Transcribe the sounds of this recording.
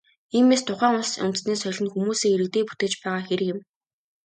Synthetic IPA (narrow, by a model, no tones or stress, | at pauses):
iːmeːst̪ʰʊχæːŋʊnsʊ̰nt̪̆sniːsœɮʲɘ̆nxumuːseːiɾɘk̚t̪eːput̪eːt͡ɕpæːʁaːxeɾɘ̆kɪ̆m